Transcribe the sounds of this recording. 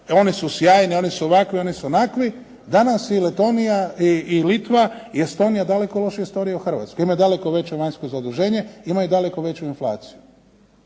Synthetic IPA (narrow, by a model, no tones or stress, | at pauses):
o̞nisusjaːjnio̞nisuoʋakʋio̞nisunakʋi | d̪anasilet̪o̞nijaiːlit̪ʋaiest̪o̞ːnijad̪ale̞kolo̞ʃijest̪o̞nijauxr̩ʋa̰ːt̪skoimajud̪ale̞ko̞ʋe̞t͡ɕeʋaɲskozaod̪uʒe̞ːɲe̞imajud̪ale̞koʋe̞t͡ɕuinflˠa̰ːt̪siju